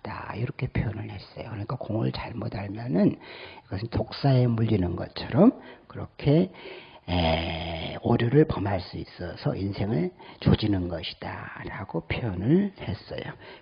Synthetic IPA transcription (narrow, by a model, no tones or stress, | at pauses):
d̥a̰iɾʌkʰe̞pʰeʌnɯɭhe̞s͈ʌjo̰kɯɾʌɲik͈akoŋɯɭt͡ɕaɭmodaɭmjʌnɯniɡʌsʰɯntok̚s͈ae̞muʎːinɯnɡʌ̰t͡ɕʰʌɾʌmkɯɾʌkʰe̞ | e | oɾjuɾɯɭpʌmaɭs͈uis͈ʌsʰʌ̰ʔinsʰe̞ŋɯɭt͡ɕod͡ʑinɯnɡʌɕʰi̥d̥a̰ɾaɡ̥opʰeʌnɯɭhe̞s͈ʌ̰jo̰